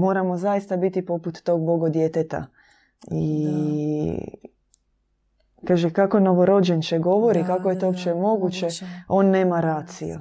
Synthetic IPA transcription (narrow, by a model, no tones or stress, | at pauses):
mo̞ːɾamo̞zaist̪abit̪ipo̞put̪ːo̞ːɡ̚bo̞ɡod̪jet̪et̪a̰ | i | kaːʒekakono̞ʋo̞ɾo̞d͡ʒent͡ʃeɡo̞ʋo̞ɾikakojet̪oopt͡ɕemo̞ɡut͡ɕeo̞ːnːeːmaɾaːt̪sijṵ